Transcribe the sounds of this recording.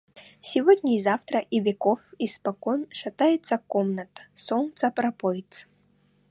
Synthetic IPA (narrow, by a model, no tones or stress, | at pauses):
sʲɪvodʲnʲɪzaft̪ɾəʔivʲekofispɐkɔnʂɐt̪ajɪt̪səkomnət̪ə̥sɔnt̪səpɾɐpɔjt̪s